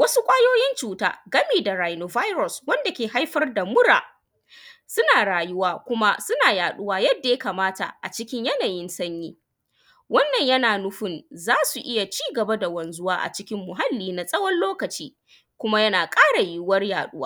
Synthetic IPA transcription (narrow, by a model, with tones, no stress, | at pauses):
wɐ˦su˦kʷʼaː˦joː˦jɪ˦nt͡ʃuː˨ta̰ː˦ɡɐ˦miː˨da˨ɽaː˨jnoː˨va˦jɾɔ˨swɐ˦nda˨kʲeː˨ɦa˦jɸɐ˦rda˨mʊ˦ɽaː˨ | sʊ˦naː˨ɽaː˨jʊ˦waː˦kʷʊ˦ma˦sʊ˦naː˨jaː˨ɗʊ˦waː˦jɐ˦dːa˨jɐ˦kaː˨maː˦ta̰˨ʔa̰˨t͡ʃɪ˦kʲɪ˦ɲjɐ˦naː˨jɪ˦nsɐ˦ɲjiː˦ | wɐ˦nːɐ˨ɲjɐ˦naː˨nʊ˦ɸɪ˦nzaː˦su˨ʔɪ˦ja˨t͡ʃiː˦ɡɐ˨ba˦da˨wɐ˨nzʊ˦waː˦ʔa̰˨t͡ʃɪ˦kʲɪ˦mːʊ˨ɦa˦lːiː˦na˨sʼɐ˦wɔ˦nloː˦kɐ˨t͡ʃiː˦ | kʷʊ˦ma˦jɐ˦naː˨kʼaː˦ɽa˨ji˦wɐ˦rjaː˨ɗʊ˦wa̰ː˦